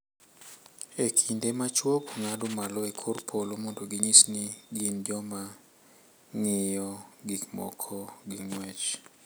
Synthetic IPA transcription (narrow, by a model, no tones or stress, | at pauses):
ekʰindemat͡ʃwokoŋadʊmalɔekʰorpʰolomondoɡiɲisniɡind͡ʒɔma | ŋɪjɔɡikmɔ̰kʰɔɡiŋwɛt͡ʃ